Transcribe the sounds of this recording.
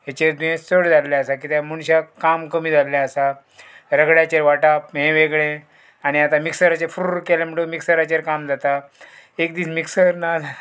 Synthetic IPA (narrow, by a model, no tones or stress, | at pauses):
ɦet͡ɕeɾd̪uẽt͡səɽd͡zalːjaəsak̬it̪jamuɽ̃ɕakamkəmiːd͡zʱaljaəsa | ɾəɡɽjat͡ɕeɾʋaʈapɦẽʋeɡɭẽ | añiat̪amiksəɾat͡ɕeɾfɾukɛlamiʈəmiksəɾat͡ɕeɾkamd͡zat̪a | ekd̪iːsmiksəɾnad͡za